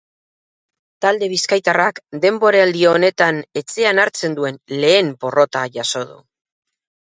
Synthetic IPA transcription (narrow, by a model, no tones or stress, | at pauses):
t̪ald̪e̞β̞iskajt̪arakd̪e̞mbo̞ɾeald̪ioːne̞t̪ane̞t͡se̞anaɾt͡se̞nd̪ue̞nle̞ːmpo̞ro̞t̪aʝaso̞ðṵ